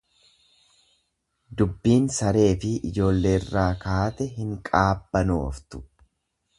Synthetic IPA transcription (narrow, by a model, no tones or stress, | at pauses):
d̪ʊbːiːnsɐɾe̞ːfɪʔɪd͡ʒo̞ːlːe̞ːɪrːaːkaːt̪ɛɦɪŋkʼaːbːɐno̰ːft̪ʊ̥